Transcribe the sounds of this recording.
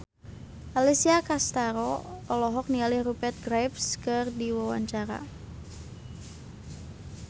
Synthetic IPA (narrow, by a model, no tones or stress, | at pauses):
ʔalisiakast̪aɾɔɔlɔɦɔk̚nialirupɛt̪̚ɡɾajpskɨrdiwawa̰ɲt͡ʃaɾa̰